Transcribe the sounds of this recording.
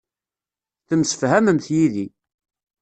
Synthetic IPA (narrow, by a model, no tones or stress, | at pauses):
θəmsə̥fhæməmθjiði